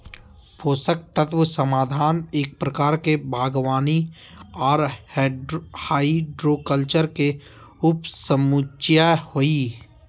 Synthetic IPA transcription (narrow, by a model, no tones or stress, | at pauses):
pʰoːsək̚t̪ət̪wəsəmaːd̪ʱaːneːk̚pɾəkaːɾkebʱaːɡʋaːni | ɔːɾhɖhaːiɖɾoːkəlt͡ʃəɾke | ʊpsəmut͡ʃjahoiː